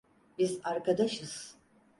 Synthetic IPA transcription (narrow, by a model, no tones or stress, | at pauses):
bizaɾkʰad̪aʃɯz̥